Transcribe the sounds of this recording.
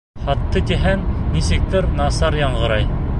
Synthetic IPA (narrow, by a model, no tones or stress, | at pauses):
χɑt̪ːɤt̪ʲiɦænnisɘ̆k̚t̪ɘɾnɑsɑɾjɑɴʁɤ̆ɾɑj